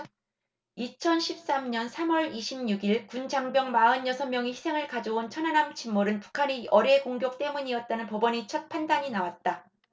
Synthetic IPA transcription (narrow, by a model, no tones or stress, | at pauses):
it͡ɕʰʌnɕʰip̚s͈amɲʌnsʰamʌɾiɕʰimɲuɡiɭkund͡ʑaŋbjʌŋmaɯnjʌsʰʌnmːjʌŋiçʰi̥sʰe̞ŋɯɭkad͡ʑoont͡ɕʰʌnɦanamt͡ɕʰimːoɾɯnpu̥kʰaɲiʌɾekoŋɡjok̚t͈e̞muɲiʌt̚t͈anɯnpʌbʌɲit͡ɕʰʌt̚pʰandaɲinawat̚t͈a